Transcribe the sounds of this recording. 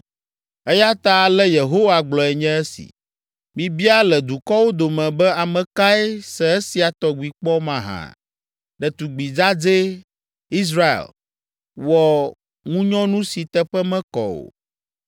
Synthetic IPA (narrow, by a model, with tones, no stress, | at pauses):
ɛ˦ja˦t̪a˦˨lɛ˦je˨ɦo˦wa˨ɡ͡blɔ˨ɛ˨ɲɛ̃˦ɛ˦sḭ˨ | mĩ˨bi˦a˦lɛ˨d̪u˨kɔ˦wo˦d̪o˨mɛ̃˨bɛ˦a˨mɛ̃˨ka˦ɛ˦sɛ˨ɛ˦si˨a˨t̪ɔ˨ɡ͡bi˨k͡pɔ˦mã˨ɦã̰˨ | ɖɛ˨t̪u˨ɡ͡bi˨d͡za˦d͡ze˦ | i˦s̬ɾa˦ḛ˨l | wɔ˨ | ŋũ˦ɲɔ̃˦nũ˦si˨t̪ɛ˦ɸɛ˦mɛ̃˦kɔ̰˨o̰˨